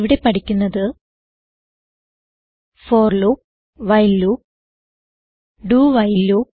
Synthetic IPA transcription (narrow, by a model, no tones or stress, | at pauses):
ʋiɽe̞pɐʈikʲːunːɐðɨ | foːrluː | ʋɐjlːu | ɖuːʋɐjlːuː